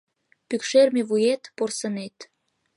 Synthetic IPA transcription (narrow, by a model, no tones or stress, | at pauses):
pykʃermeβujet̪porsənet̪